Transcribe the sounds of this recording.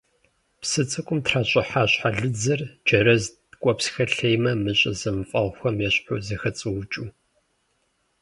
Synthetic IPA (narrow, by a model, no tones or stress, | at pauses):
psɨt͡sʼɨkʷʼʊmtʰraːɕʼɪħaːɕħaɮɨd͡zɐrd͡ʒɐɾɐz | kʷʼɔpsxɐɬejmɐmɨɕʼɐzɐmɨfʼɐʁʷxʷɐmjɛɕʼħʊzɨxɐt͡sʼɨwt͡ʃʼuː